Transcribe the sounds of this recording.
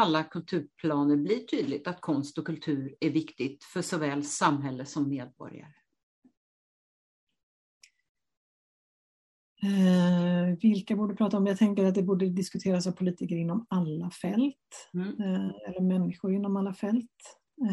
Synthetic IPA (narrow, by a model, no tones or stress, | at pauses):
alːakʰɵlt̪ʰʉ̟ːɾpʰlɑːnəɾblɪʈʰyːd̪lɪt̪at̪kʰɔnst̪ɔkʰɵlt̪ʰʉ̟ːɾæɾvɪkt̪ɪɡt̪fœʂɔvɛːlsamɦɛlːəsɔmːeːd̪̚bɔ̰ɾja̰ɾə | vɪlkabuːɖəpɾɑːt̪aɔmjɑɡt̪ʰɛŋkəɾat̪̚d̪ɛbuːɖəd̪ɪskɵt̪ʰeːɾasavpʰʊliːt̪ɪkəɾɪnːɔmalːafɛlt̪ | ɛlːəɾmɛnːɪɧʊɾɪnːɔmalːafɛlt̪